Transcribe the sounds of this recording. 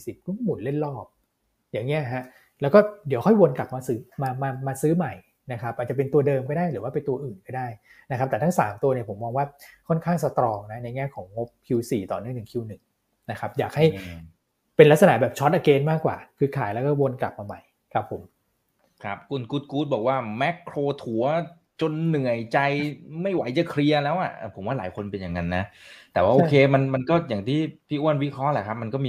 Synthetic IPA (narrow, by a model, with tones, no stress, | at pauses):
si˨˩p̚ku˥˩mu˨˩nle˥˩nlɔː˥˩p̚ | jaː˨˩ŋːi˦˥ɐɦa˦˥ | lɛ˦˥wkɔː˥˩di˨˦wxʰɔ˥˩jwo˧nkla˨˩p̚maː˧sɯː˦˥maː˧maː˧maː˧sɯː˦˥ma˨˩j | na˦˥kʰa˦˥p̚ʔa˨˩t͡ɕa˨˩pe˧nt̪u˧ɐdɤː˧mkɔː˥˩daː˥˩jɾɯː˩˦wa˥˩pe˧nt̪u˧ɐʔɯː˨˩nkɔː˥˩daː˥˩j | na˦˥kʰa˦˥p̚t̪ɛ˨˩a˥ŋsaː˩˦mt̪u˧ɐni˧˩pʰo˩˦mːɔː˧ŋwaː˥˩kʰɔ˥˩nkʰaː˥˩ŋsa˧t̪ɾɔː˧ŋna˦˥na˧jŋɛː˥˩kʰɔː˩˦ŋːo˦˥p̚kʰi˧wsiː˨˩t̪ɔː˨˩nɯ˥˩əŋnɯ˨˩ŋkʰi˧wnɯ˨˩ŋ | na˦˥kʰa˦˥p̚jaː˨˩k̚ha˥˩j | pe˧nla˦˥k̚sa˧na̰˨˧˩bɛː˨˩p̚t͡ɕʰɔ˦˥t̪̚ʔa˧keː˧nmaː˥˩kːwa̰ː˨˩kʰɯː˧kʰaː˨˩˦jlɛː˦˥kɔː˥˩wo˧nkla̰˨˩p̚ma˧ma˨˩j | kʰa˦˥pʰːo˩˦m | kʰɾa˦˥p̚kʰu˧nkuː˦˥t̪̚kuː˦˥t̪̚bɔː˨˩k̚waː˥˩mɛ˦˥kʰːɾoː˧t̪ʰu˩˦ɐ | t͡ɕo˧nːɯ˨˩əjt͡ɕa˧jma˥˩jwa˩˦jt͡ɕa˨˩kʰɾi˧ɐlɛː˦˥wʔa˨˩ʔpʰo˩˦mwaː˥˩laː˩˦jkʰo˧npe˧njaː˨˩ŋa˧nːa˦˥t̪ɛː˨˩waː˥˩oː˩˧˩kʰeː˧ma˧nma˧nkɔː˥˩jaː˨˩ŋt̪ʰiː˥˩pʰiː˥˩ʔu˥˩ənwi˦˥kʰɾɔ˦˥lɛ˨˩kʰa˦˥p̚ma˧nkɔː˥˩miː˧